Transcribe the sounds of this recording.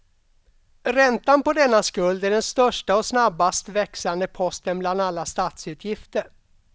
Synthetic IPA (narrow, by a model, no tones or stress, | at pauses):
ɾɛnt̪anpɔd̪ɛnːaskɵld̪æɖɛnst̪œʂʈaɔsnabːast̪vɛksand̪əpʰɔst̪ənbland̪alːast̪aːt̪sʉ̟ːt̪ʰjɪft̪əɾ